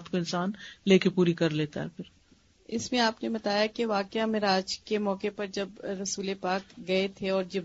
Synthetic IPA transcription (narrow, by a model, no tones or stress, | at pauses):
t̪koɪnsaːnleːkepuːɾikɐɾleːt̪a̰ɦɛpʰɪɾ | ɪ̰smẽaːpnebɐt̪aːjakeʋaːkjamɪɾaːd͡ʒkemɔːkepɐɾd͡ʒɐbɾɐsuːlepaːkɡɐet̪ʰeɔːɾd͡ʒɪb